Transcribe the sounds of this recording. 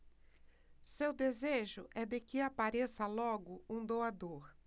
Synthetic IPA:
sewd̪ezeʒʊʔɛd̪ekɪapaɾesɐlɔɡʊũd̪oad̪oɾ

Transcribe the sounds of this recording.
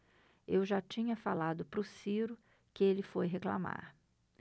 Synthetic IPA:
ewʒat͡ʃĩɲɐfalad̪ʊpɾʊsiɾʊ | kɪelɪfojɦekla̰ma̰ɾ

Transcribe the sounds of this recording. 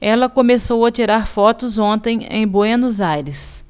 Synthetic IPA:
ɛlɐkõmesowɐt͡ʃiɾaɾfɔt̪ʊzõnt̪ẽj̃ḛ̃j̃boenuzajɾɪs

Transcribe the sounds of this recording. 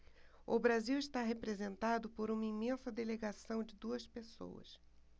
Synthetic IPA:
ʊbɾaziwɪst̪aɦepɾezẽnt̪ad̪ʊpoɾũmɐimẽnsɐd̪eleɡasɐ̃w̃d͡ʒɪd̪uɐspeso̰wɐ̰s

